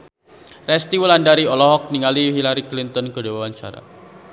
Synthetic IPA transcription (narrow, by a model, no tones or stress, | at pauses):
rɛst̪iwəlandaɾiɔlɔɦɔk̚niŋaliɦilaɾiklint̪ɔnkədawawaɲt͡ʃa̰ɾa̰